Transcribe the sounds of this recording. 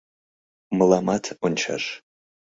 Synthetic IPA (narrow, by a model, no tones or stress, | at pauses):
mɨlamatʰunt͡ʃʰa̰ʂ